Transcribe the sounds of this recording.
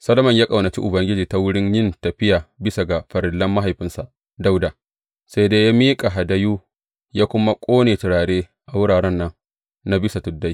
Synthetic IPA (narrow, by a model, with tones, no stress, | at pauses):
sɐ˦lɐ˦mɐ˨ɲjaː˦kʼa˨wnɐ˨t͡ʃḭ˦ʔʊ˨bɐ˨˦ŋɡʲɪ˦d͡ʒiː˨ta˦wʊ˦ɽɪ˦ɲjɪ˦˨ntɐ˨ɸɪ˦jaː˨bɪ˦sa˨ɡa˨ɸɐ˨ɾɪ˨lːɐ˦mːa˦ɦa˨jɸɪ˦nsa˨ʔ | da˦wda˨ | sa˦jdeː˦ja˦miː˦kʼa˨ɦa˨da˦juː˦ | jaː˦kʷʊ˦ma˦kʷʼoː˦neː˨tɪ˨ɽaː˨ɽeː˦ | ʔa˨wʊ˦ɽaː˨ɽɛ˦nːɐ˦ŋ | na˦bɪ˦sa˨tʊ˨dːa˦j